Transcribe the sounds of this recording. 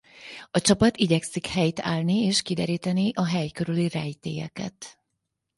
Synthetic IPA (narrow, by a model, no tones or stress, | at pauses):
ɒt͡ʃɒpɒt̪iɟɛksikhɛjt̪a̰ːlnieːʃkid̪ɛɾiːt̪ɛniʔɒɦɛjkøɾylirɛjt̪ḛːjɛ̰kɛ̰t̪